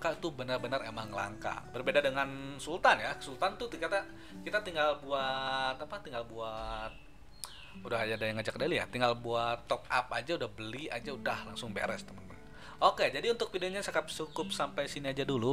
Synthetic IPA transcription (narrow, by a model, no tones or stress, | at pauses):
kait̪ubənarbənaremaŋla̰ŋka̰bərbedadəŋansult̪anjasult̪ant̪ut̪ukat̪a | kit̪at̪iŋɡalbuat̪apat̪iŋɡalbuat̪̚ | udaɦajadajaŋəd͡ʒakdalia̰t̪iŋɡalbuat̪ːɔk̚a̰p̚ad͡ʒaudahbəlia̰d͡ʒaudahlaŋsʊŋbḛɾɛst̪əmənt̪m | oked͡ʒadiunt̪ʊk̚pidiaɲasakap̚sukʊp̚sampajsiniad͡ʒadulu